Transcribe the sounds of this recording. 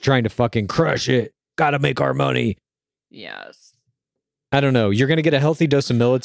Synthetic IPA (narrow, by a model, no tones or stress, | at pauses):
tʰɹ̥aɪɪ̃ŋtʰɨfʌkɨ̃nkʰɹ̥ʌʃɪt̚ | ɡ̥ɑɾɨmeɪkaʊ˞mʌ̰nḭ | jɛ̰s | aɪɾõʊ̃nːoʊjə˞ɡʌñɨɡɛɾɨɦɛlˠθidoʊsɨmɪlˠət